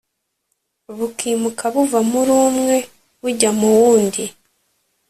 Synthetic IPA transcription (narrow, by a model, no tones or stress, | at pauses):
βukiːmukʰaβuvamuɾuːmŋe̞ | βuɟamuwuːndi